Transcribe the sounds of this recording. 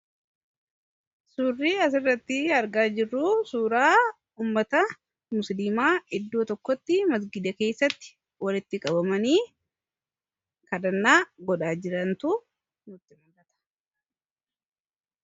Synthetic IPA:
suːrːiːɐs̬ɪrːɐt̪ːɪɐɾɡaːd͡ʒɪrːuːsuːɾaː | uːmːɐt̪ɐ | mʊsliːmaːɪd̪ːoːt̪ɔkːɔt̪ːɪmɐs̬ɡɪd̪ɐke̞ːsːɐt̪ːɪ̥ | wɐlɪt̪ːɪkʼɐbɐmɐniː | kɐd̪ɐnːaːɡɔᶑaːd͡ʒɪɾɐnt̪ʊ | nʊt̪ːɪmɐɡɐt̪ɐ̥

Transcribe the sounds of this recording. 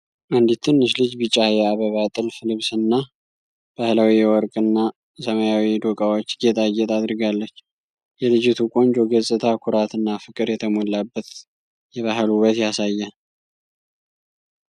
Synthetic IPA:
ʔand̪it̪ʰɨnːɨʃlɨd͡ʒbɨt͡ʃʼːajɛaβəβat̪ʼɨlflɨβsɨnːa | b̥ahlawijɛwɔɾkʼɨnːa | səmajawid̪okʼawot͡ʃːɡɛt̪ʼajːɛt̪ʰad̪ɾɨɡalːət͡ʃː | jɛlɨd͡ʒɪt̪ʰukʼo̞nd͡ʒoɡəsʼɨt̪ʰakʰuɾat̪ɨnːafɨkʼɨɾjɛt̪ʰəmolːabːət̪ | jɛβaɦluβət̪jasajːɛ

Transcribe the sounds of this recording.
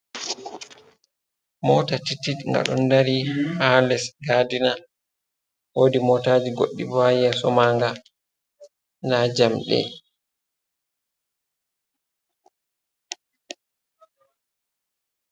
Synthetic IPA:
mɔːtatitːitŋɡa̰ɗɔ̰ndaɾihalɛsɡadina | woːdimɔtaːd͡ʒiɡo̰ɗːḭbajɛsɔmaːŋɡa | nad͡ʒamɗɛ̰

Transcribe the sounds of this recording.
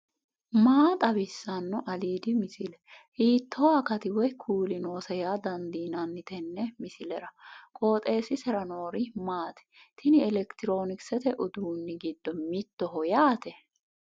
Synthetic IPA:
maːt̪ʼɐbɪsːɐnːɔʔɐliːd̪ɪmɪsɪlɛhiːt̪ʰːɔwakɐt̪ɪwɔjkʰuːlɪno̞ːsɐjaːd̪ɐnd̪iːnɐnːɪt̪ɛnːɛmɪsɪlɛɾɐkʼo̞ːt̪ʼe̞ːsɪsɛɾɐnoːɾɪmaːt̪ɛ̥t̪ʰɪnɪɛlɛkt̪ɪɾo̞ːnɪksɛt̪ɛʔʊd̪uːnːɪɡɪd̪ːɔmɪt̪ːɔɦɔjaːt̪ɛ

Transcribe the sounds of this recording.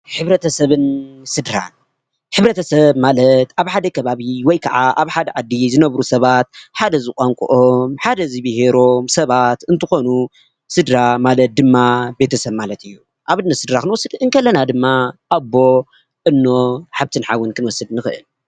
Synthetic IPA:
ħɨβɾɐt̪ʰɐsɐβɨnsɨd̪ɾa̰n | ħɨβɾɐt̪ʰɐsɐβmalɐt̪aβħad̪ɐkʰɐβaβiwɔjkʰɐʕaʔaβħad̪ɐʕad̪ːizɨnɐβɾusɐβat̪̚ħad̪ɐzɨkʼaŋkʼṵʔomħad̪ɐzɨβiɦeɾo̞msɐβat̪ɨnt̪ʰɨxo̞nu | sɨd̪ɾamalɐt̪̚d̪ɨmːabe̞t̪ʰɐsɐβmalɐt̪ʰɨjːu | ʔaβɨnːɐsɨd̪ɾakɨnwɔsːɨd̪ɨnkʰɐlːɐnad̪ɨmːaʔabːo̞ | ʔɨnːoħaβt̪ʰɨnħawːɨnkʰɨnwɔsːɨd̪nɨxɨʔɨ̰l

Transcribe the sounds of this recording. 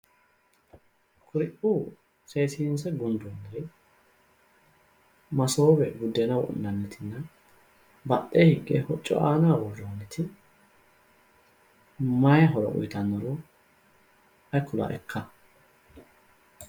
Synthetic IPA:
kʰʊɾɪʔuː | seːsɪnsɛɡʊnd̪ʊnːɐɾɪ | mɐsoːbɛɡʊd̪ːɛnɐwʔʊ̰nːɐnːɛt̪ʰɪnːɐ | bɐʔehɪɡːɛ̰hɔt͡ʃʼːɔ̰ʔaːnaːwɔrːonːɛt̪ʰɪ | mɐjɦɔɾɔ̰ʔʊ̰jt̪ɐnːɔɾɔ | ɐjkʰːʊla̰ʔɛkʰːɐ

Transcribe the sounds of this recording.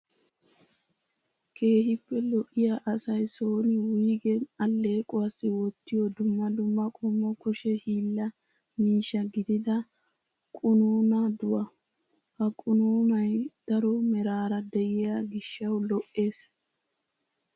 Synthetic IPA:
kʰe̞ːhɪpːɛlɔʔɪjaʔɐsɐjso̞ːnɪwiːɡɛɐlːe̞ːkʼɔɐsɪwɔt̪ːɪjɔd̪ʊmːɐd̪ʊmːɐkʼɔmːɔkʊʃɛhiːlːɐ | miːʃːɐɡɪd̪ɪd̪ɐ | kʼʊnuːnɐd̪ʊwɐ | hɐkʼʊnuːnɐjd̪̥ɐɾɔmɛɾaːɾɐd̪ɛʔɪjaɡɪʃːɐwlɔʔːe̞ːs

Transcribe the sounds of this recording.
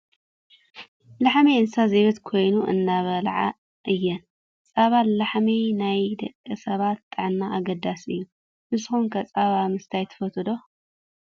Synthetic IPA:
laħmiɨnsazeβɨt̪kʰo̞jnuʔɨ̰ndaβɐlʕa̰ | ʔɨjːɛn | t͡sʼaβallaħminajd̪ɐkʼːɨsɐβat̪ːʼɨʕɨnːaʔaɡɐd̪asɨjːu | nɨsɨxunkʰɐt͡sʼaβamɨst̪ʰajt̪ʰɐ̥fɐt̪ʰɨd̪o̞

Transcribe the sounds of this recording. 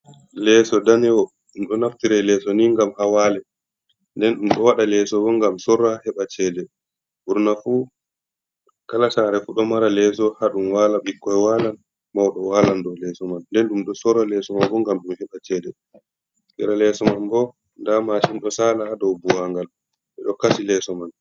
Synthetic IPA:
lɛsɔdanɛwɔ | ɗumɗɔnaftiɾɛlɛsɔniŋɡamhawalɛ | ndɛnɗumɗɔwaɗalɛsɔbɔŋɡamsɔrːahɛɓat͡ʃɛːdɛ | buɾnafu | kalasaːɾɛfuɗɔmaɾalɛs̬ɔhaɗumwaːlaɓikːɔjɛwalan | mawɗɔwalandɔlɛsɔmanːdɛnɗumɗɔsɔɾalɛsɔmanbɔŋɡamɗumhɛɓat͡ʃɛːdɛ | kɛɾalɛsɔmanbɔ | ndamaʃinɗɔsalahadɔwbuwaŋɡal | ɓɛɗɔkasilɛsɔman

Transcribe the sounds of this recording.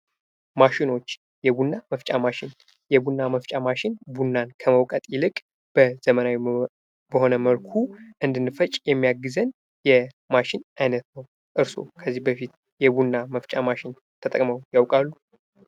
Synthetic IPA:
maʃɪno̞t͡ʃː | jɛbunːaməft͡ʃʼamaʃɪn | jɛbunːaməft͡ʃʼamaʃɪnbunːankʰəməwkʼət̪ʼjɪlɨkʼ | b̥əz̥əmənawi | bəho̞nəməlkʰuʔɨnd̪ɨnːɨfət͡ʃʼjɛmːijaɡːɨzən | jɛ | maʃɪnʔajnət̪nəw | ʔɨɾso̞̰kʰəzːihbəfit̪ | jɛbunːaməft͡ʃʼamaʃɪn | t̪ʰət̪ʼəkʼməwjawkʼalːu

